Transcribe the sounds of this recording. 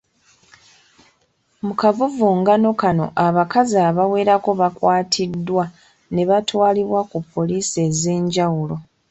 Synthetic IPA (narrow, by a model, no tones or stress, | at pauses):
mukavuvuːŋɡano̞kano̞̰ʔaβakazaːβawe̞ːɾako̞βakwaːtʰidːwa | ne̞βatwaːliβwakupːo̞liːse̞ze̞ːɲɟawulo̞